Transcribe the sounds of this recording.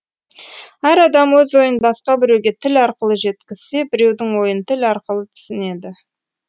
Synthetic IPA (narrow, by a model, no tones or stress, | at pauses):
æɾɑd̪ɑmwɵzwo̞jənbɑsqɑbɪɾe̞wɡʲe̞t̪ʰɪlɑɾqəlˠəʒe̞t̪kʲɪz̥se̞bɪɾe̞wd̪ɪŋwo̞jənt̪ʰɪlɑɾqəlˠət̪ʰʏ̥sɪne̞d̪ɪ